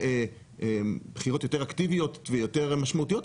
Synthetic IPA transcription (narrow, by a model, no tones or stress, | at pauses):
e | eb̥χiʁo̞t̪jo̞t̪eʁakt̪ivijo̞t̪vejo̞t̪eʁmaʃmaut̪ijo̞t